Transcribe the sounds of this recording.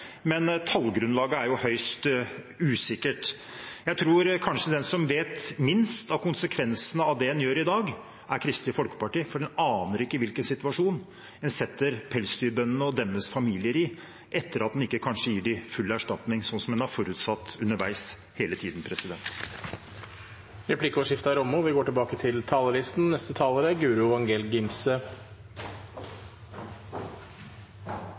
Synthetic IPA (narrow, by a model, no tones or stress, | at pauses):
mɛnt̪ʰɑlɡɾʉnlɑːɡəæɾjʊhœʏst̪ | ʉːsɪkːəʈ | jæɪt̪ʰɾuːɾkʰɑnʂəd̪ɛnsɔmʋeːt̪mɪnst̪ɑʋkʰʊnsəkʰʋɛnsənəɑʋd̪ɛɛnjøːɾɪd̪ɑːɡ | ʔæɾkʰɾɪst̪lɪfɔlkə̥pɑʈiːfɔɖɛnɑːnəɾɪkːəʋɪlkənsɪt̪ʉʋɑʂuːn | ɛnsɛt̪ːəɾpʰɛlsd̪yːbœnːənəɔd̪ɛmːəsfɑmiːlɪəɾɪ | ʔɛt̪ʰːəɾɑt̪̚d̪nɪkːəkʰɑnʂəjiːɖɪfʉlːæʂʈɑt̪nɪŋsɔnsɔmɛnæɾfɔɾʉːt̪sɑt̪ːʉnːəɾʋæɪs | heːlət̪ʰiːd̪n̩pʰɾɛsɪd̪ɛnt̪ | ɾɛpʰlɪkəɔʂɪft̪ɑɾɔmːʊʋɪɡoːʈɪlbɑːkət̪ʰɪlt̪ʰɑːləlɪst̪n̩nɛst̪ət̪ʰɑːləɾəɡʉːɾʊɑŋɡeːlɡɪmsə